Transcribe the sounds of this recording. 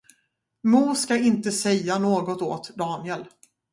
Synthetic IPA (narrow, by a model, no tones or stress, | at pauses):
muːskaɪnt̪əsɛjːanoːɡɔt̪o̰ːt̪d̪ɑːnɪɛl